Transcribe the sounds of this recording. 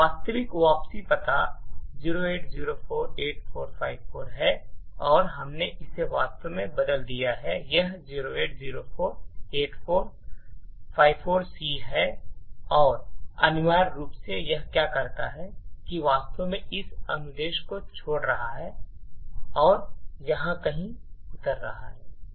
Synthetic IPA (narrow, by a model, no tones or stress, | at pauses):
ʋaːst̪əʋɪkʋaːpsipɐt̪aziːɾoeːʈziːɾopʰoːɾeːʈfoːɾpʰaːɪbfoːɾɦɛɔːɾɦɐmneʔɪseʋaːst̪əmẽbɐd̪əld̪ijaɦɛjɐɦziːɾoeːʈ̚ziːɾofʰoːɾeːʈfʰoːɾ | fʰaːɪʋfoːɾsiːɦɛ | ɔːɾɐnʊʋaːɾːuːpsejɐɦkjaːkɐɾt̪aɦɛkiʋaːst̪omẽɪsɐ̰̃nɡd̪eːʃkot͡ʃʰoːɽɾɐɦaɦɛ | ɔːɾjɐɦãkɐɦĩʊt̪əɾːɐ̰ɦa̰ɦɛː